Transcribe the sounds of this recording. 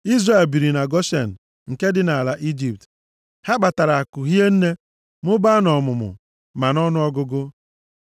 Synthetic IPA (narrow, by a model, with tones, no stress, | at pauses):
i˦zra˨e˨lbi˨ɾi˨na˨ɡɔ˦ʃe˨n̩˨ | ŋ̩˨ke˦dɪ˦na˨la˨ʔi˦d͡ʒi˨p̚t | ha˦ɡ͡ba˨ta˨ɾa˨a˨kʊ˨ɦi˦e˦n̩˦ne˦ | mʊ˦ba˦nɔ˨mʊ˨mʊ̰˨ | ma˨nɔ˦nʊ˦ɔ˦ɡʊ˦ɡʊ˦